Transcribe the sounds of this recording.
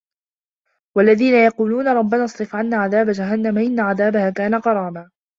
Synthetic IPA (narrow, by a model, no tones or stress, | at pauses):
walːaðiːnajɑquːluːnaɾˤɑbːanɑsˤɾɨfʕanːaːʕaðaːbad͡ʒaɦanːamaʔɪnːaʕaðaːbahaːkaːnaqɑɾˤɑːmaː